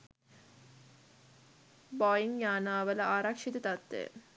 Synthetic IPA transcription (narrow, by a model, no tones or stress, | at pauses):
bɔjiŋjaːnaːʋələʔaːɾakʂit̪ət̪at̪ːḛ